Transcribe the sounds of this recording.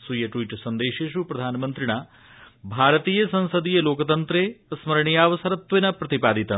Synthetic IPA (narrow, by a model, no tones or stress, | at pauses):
sujɐʈʋiːʈsɐnd̪eːʃeːʃupɾɐd̪ʱaːnɐmɐnt̪ɾiɳaː | bʱaːɾɐt̪iːjɐsɐ̃nsɐd̪ijɐloːkɐt̪ɐnt̪ɾeːɐsmɐɾɳijaːʋɐsɐɾɐt̪ʋenɐpɾɐt̪ipaːd̪it̪ɐ